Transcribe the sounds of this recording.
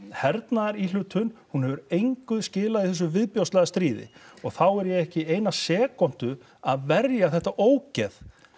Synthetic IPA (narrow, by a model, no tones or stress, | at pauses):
hɛɾt̪naðɾilʏt̪ʰʏnhunhɛvʏɾejŋkʏðscɪːlaðiθɛs̬ʏvɪðpjowst̪laɣðast̪ɾiːðɪ̰ɔɣθawɛɾjɛɣɛhcɪeːjnasɛːkan̥t̪ʏ | aðvɛrjaθɛht̪aʔoːwcɛð